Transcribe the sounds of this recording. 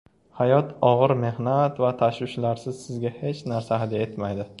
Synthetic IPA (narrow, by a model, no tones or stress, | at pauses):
hajɒt̪ʰɒʁɨɾme̞hnat̪vat̪ʰaʃwɪʃlaɾsɪz̥sɪzɡʲahe̞t͡ʃnaɾsaɦad̪je̞t̪majd̪ɪ